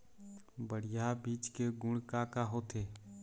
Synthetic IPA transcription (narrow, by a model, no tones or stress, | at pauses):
bəɽ̤ɪjabiːt͡ʃkeɡʊɽkakaɦot̪ʰeː